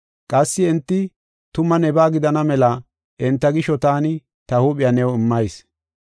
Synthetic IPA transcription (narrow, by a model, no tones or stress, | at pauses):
kʼɐsːɪɛnt̪ːɪ | t̪ʊmɐnɛbaːɡɪd̪ɐnɐmɛlɐ | ʔɪnt̪ːɐɡɪʃɔt̪aːnɪ | t̪ɐhuːpʼɪjɐnɛwɪmːɐjs